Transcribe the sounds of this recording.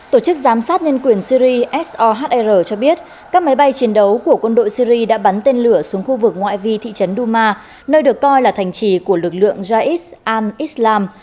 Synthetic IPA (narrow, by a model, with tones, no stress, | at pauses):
t̪o˧˩t͡ɕɨ˦˥k̚zaː˨˦msaː˦˥t̚ɲə˧nkwi˨˩ənsi˧ɾi˧ʔɛ˦˥sʔɔ˧ɦaː˦˥t̚ʔɛ˧zəː˨˩t͡ɕɔ˧ɓi˦˥ət̚ | kaː˦˥k̚ma˨˦jɓa˧jt͡ɕi˨˦ənɗə˨˦wku˧˩əkwə˧nɗo̰˧˨jsi˧ɾi˧ɗa̰ː˧˥ɓa˨˦nt̪e˧nlɨ˧˩əsu˨˦əŋxu˧vɨ˨˩k̚ŋwa̰ː˧˨jvi˧t̪ʰḭ˧˨t͡ɕə˨˦nɗu˧maː˧ | nəː˧jɗɨ˨˩əkːɔ˧jlaː˨˩t̪ʰa˨˩jŋ̟t͡ɕi˨˩ku˧˩əlɨ˨˩k̚lɨ̰˧˨əŋzaː˧ʔi˦˥t̚ʔaː˧nʔi˦˥slaː˧m